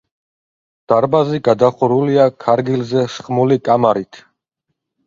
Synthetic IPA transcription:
d̪̥aɾbaziɡad̪aχuɾuliakʰaɾɡilzɛʃχmulikʼamaɾit̪ʰ

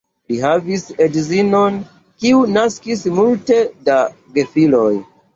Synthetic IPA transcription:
liɦavisedzino̞n | kiunaskismulte̞da | ɡe̞filoj

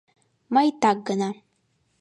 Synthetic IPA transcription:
majtʰaɡɨna

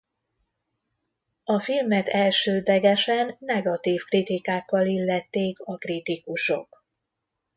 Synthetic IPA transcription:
ɒfilmɛt̪ɛlʃøːd̪lɛɡɛʃɛnːɛɡɒt̪iːfkrit̪ikaːkːɒlilːɛt̪ːeːkɒkrit̪ikuʃo̞̰k

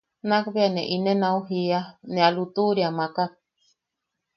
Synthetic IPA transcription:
nakβeaneʔinenãuɦianẽalut̪uɾiamaka

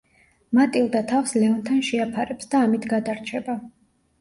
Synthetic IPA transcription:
mat̪ʼilˠd̪at̪ʰafslɛɔnt̪ʰanʃɛapʰaɾɛpsd̪aːmit̪ʰɡad̪aɾt͡ʃʰɛba

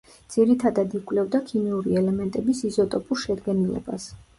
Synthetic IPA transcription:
d̪z̥iɾit̪ʰad̪ad̪ikʼwlɛvd̪akʰimiuɾiɛlɛmɛnt̪ʼɛbisizɔt̪ʼɔpʼuɾʃɛd̪ɡɛnilɛ̰ba̰s

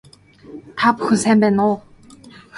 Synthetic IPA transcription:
t̪ʰapxɵsæːmpæːnʊː

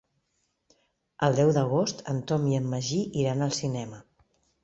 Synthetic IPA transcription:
əlˠd̪ɛwd̪əɣ̞ost̪ənt̪ɔmiəmːəʒiʔiɾanəlˠsinɛmə

